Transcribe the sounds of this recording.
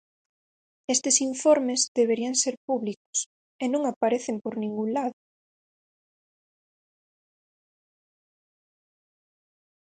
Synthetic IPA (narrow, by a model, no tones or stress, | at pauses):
est̪esiɱfoɾmezðeβeɾiaŋseɾpuβlikʊ̥s | enõŋapaɾeθempoɾnĩŋɡuŋlaðʊ